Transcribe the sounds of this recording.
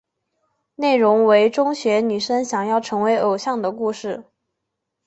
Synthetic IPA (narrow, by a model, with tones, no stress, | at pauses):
ne˥˩ɪɻʊ˧˥ŋwe˧˥ɪʈ͡ʂʊ˥ŋɕɥɛ˧˥ny˨˩ʂə˥nɕjɑ˨˩ŋjɑ˥˩ʊʈ͡ʂʰɤ˧˥ŋwe˧˥ɪʔo˨˩ʊɕjɑ˥˩ŋd̪ə˩ku˥˧ʂɻ̩˥˩